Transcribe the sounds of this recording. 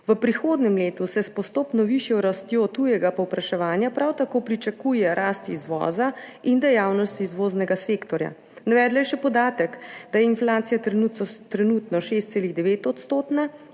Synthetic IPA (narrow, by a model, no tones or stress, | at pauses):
ʋəpɾixoːd̪nɛmleːt̪usɛspɔst̪oːpnɔʋiʃjɛwɾast̪joːt̪ujɛɡapɔwpɾaʃɛʋaːnjapɾawt̪akoːpɾit͡ʃakuːjɛɾaːst̪ḭzʋɔ̰ːzaind̪ɛjawnɔst̪iːzʋoːznɛɡaseːkt̪ɔɾja̰ | naʋɛːd̪lajɛʃɛpɔd̪aːt̪əkd̪ajɛinflaːt̪sijat̪t̪ɾɛnuːt̪nɔʃeːst̪seːliɣd̪ɛʋeːt̪ɔt̪st̪oːt̪na